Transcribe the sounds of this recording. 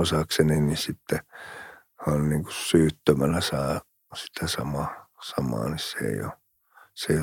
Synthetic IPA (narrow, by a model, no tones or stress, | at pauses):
osɑkseninisit̪ːe | ɑnniːŋku̥ssyːt̪ːømænæsɑː | si̥t̪ʰæsɑmɑːsɑmɑ̰ːnissḛˑijo̰ | seio